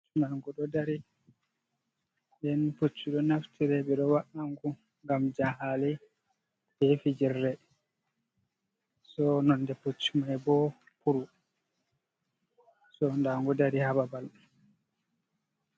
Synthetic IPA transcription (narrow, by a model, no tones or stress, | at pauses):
t͡ʃumalŋɡuɗɔdaɾi | dɛnput͡ʃːuɗɔnaftʰiɾɛɓɛɗɔwaʔaŋɡu | ŋɡamd͡ʒahalɛ | tɛfid͡ʒiɾːɛ | sɔnɔndɛput͡ʃːumajbɔ | puɾu | sɔndaŋɡudaɾihababal